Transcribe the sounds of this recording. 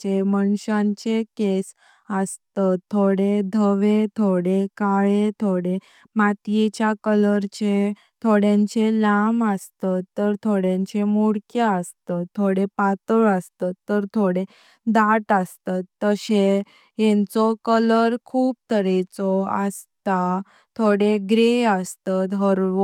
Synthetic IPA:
eməɳɕãɲt͡ɕekes | əst̪ət̪ʰːoɽed̪ʱəʋet̪ʰoɽekaɭet̪ʰoɽe | mat̪jet͡ɕjakələɾt͡ɕe | t̪ʰoɽjãɲt͡ɕelaməst̪ət̪ːəɾt̪ʰoɽjãɲt͡ɕemuɽkeəst̪ət̪ʰːoɽepat̪əɭəst̪at̪ːəɾt̪ʰoɽe | d̪aʈəst̪at̪ːəɕe | ɦɛ̃nt͡sɔkələɾkʰuːb̚t̪ʰəɾet͡sɔəst̪a | t̪ʰoɽeɡɾeəst̪at̪ɦəɾʋ

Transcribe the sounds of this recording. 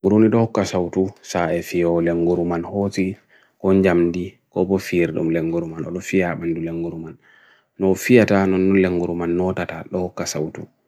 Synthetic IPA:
ɡuɾuniɗɔhɔkːasawtusaɛfijɔleŋɡuɾumanhoti | kɔɲd͡ʒamdi | kɔbɔfiɾɗṵmleŋɡuɾumanɔɗɔfijaɓanduleŋɡuɾumanː | ɔfijatanɔnːɔnleŋɡuɾumanːɔtataɗɔhɔkːasawtu

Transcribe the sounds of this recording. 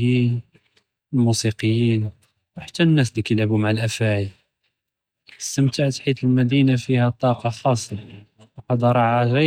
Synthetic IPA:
in | lmusiqəjːin | wħat̪ːænːæs̬d̪ikæjlʕbumaʕəlʔæfæʕəl | əsəmt̪aʕt̪ħit̪əlmæd̪inafihæt̪ˤːɑqɑxɑsˤɑ | wqɑd̪ɑɾˤɑʕaʒæ

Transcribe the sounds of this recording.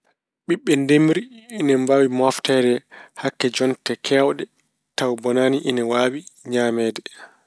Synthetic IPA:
ɓiɓːɛndemiɾiinɛmbawimɔftɛdɛhakːɛd͡ʒɔntɛkʰɛwɗɛ | tawbɔnaːniʔinɛwaːwiɲaːmɛːdɛ

